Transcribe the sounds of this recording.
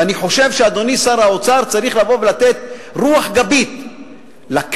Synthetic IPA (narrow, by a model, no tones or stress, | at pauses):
aniħo̞ʃe̞vʃead̪o̞nisaɾaot͡saʁt͡saʁiχlavo̞velat̪et̪̚ʁuaħɡabit̪ | lak